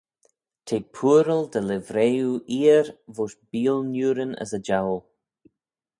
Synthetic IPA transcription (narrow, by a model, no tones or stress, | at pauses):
t̪ʰeːpʰuəɾəld̪əlɪvɾeːuʔiːəɾvoːʃbiːlnjuːɾənə̰səd͡ʒawl